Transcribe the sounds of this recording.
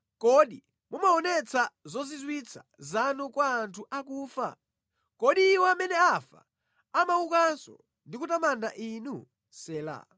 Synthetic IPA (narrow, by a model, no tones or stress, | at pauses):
kɔɗi | mumaɔnɛt͡sʰazɔzizwit͡sʰḁ | zanukwaːntʰuʔakuːfa̰ | kɔɗiːwɔamɛnɛafa̰ | amaukansɔ̰ | ndikutamandaʔinu | sɛːla̰